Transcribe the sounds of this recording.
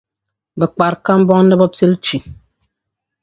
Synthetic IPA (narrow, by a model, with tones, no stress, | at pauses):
bɛ˨k͡pa˨ɾka˦m̩˦bɔ˦ŋn̩˦dɛ˦bɔ˦pe˦lt͡ʃi˨